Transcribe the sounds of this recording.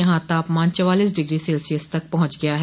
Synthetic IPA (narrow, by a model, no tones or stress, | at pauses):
ɐɦãːt̪aːpmãːnt͡ʃəʋaːliːs̬ɖɪɡɾiːseːlsiəst̪ək̚pɐɦʊ̃t͡ʃɡɪjaːɦɛː